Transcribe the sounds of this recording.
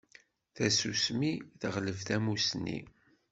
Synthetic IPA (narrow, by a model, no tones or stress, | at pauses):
θæsusmiθəʁləvθæmusnːḭ